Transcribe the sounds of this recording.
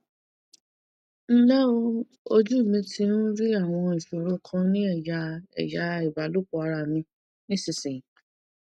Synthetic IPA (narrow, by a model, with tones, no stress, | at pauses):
n̩˦la˦o˧ | o˧d͡ʒu˦˨mĩ˨˧˦tĩ˧˦n̩˦ɾi˦a˦˨w̃ɔ̃˧ĩ˨ʃo˨ɾo˧˦kʰã˦nĩ˦ɛ˦˨ja˨˦ɛ̰˨ja˧˦i˨ba˨˦lo˦k͡pɔ˨˦a˧ɾa˨mĩ˧ | nĩ˦si˧˨sĩ˨